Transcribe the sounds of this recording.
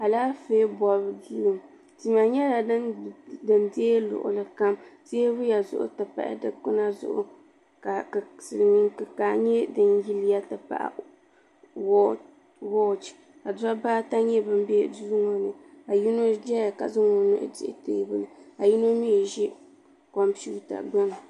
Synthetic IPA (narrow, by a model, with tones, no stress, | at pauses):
a˨laː˦feː˦bɔ˨lbdi˦lɨ˨m | ti˨ma˨ɲɛ˦la˨˦dɨ˨ndeː˦lʊ̰˨ʔʊ̰˨lɨ˨ka˦mse˦ɾu˦ja˨zʊ̰˦ʔʊ̰˦tɨ˨pa̰˨ʔa̰˦dɨ˦kɨ˦na˦zʊ̰˦ʔʊ̰˦ | ka˨sɨ˨lmi˦ŋkɨ˨ka˨ɲɛ˦dɨ˦nji˦li˦ja˦tɨ˨pa̰˨ʔa̰˨ | wɔ˦ | wɔ˦˨t͡ʃ | a˨da˦baː˦ta˦ɲɛ˦bɨ˦m˦be˦du˦zu˦ŋo˨nɨ˨a˨ji˦no˦d͡ʒɛ˦ja˨ka̰˨zʊ˦ŋo˨nɨ̰˦ʔdɪ̰˦ʔɪ˦˨teː˦˨bɨ˦nɨ˨a˨ji˦no˦mi˦˨ʒi˦ | kɔ˨mpi˦u˦ta̰˨ɡ͡ba˦n˨